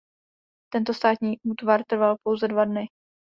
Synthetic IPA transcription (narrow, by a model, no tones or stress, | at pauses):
t̪ɛnt̪ost̪aːt̪ɲiːʔuːt̪vaɾt̪r̩valpo̞wzɛdvadnɪ